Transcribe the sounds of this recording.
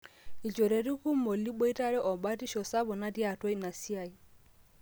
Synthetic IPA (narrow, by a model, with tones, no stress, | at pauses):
i˨t͡ʃɔ˨ɾe˨ɾi˦ku˦mo˨li˦ɓɔ˦i˦ta˦ɾɛ˦ʔɔ˨ɓa˦ti˦ʃɔ˨sa˦bɔ˨na˦di˦a˨twɔ˦i˦na˨si˦a˨i˨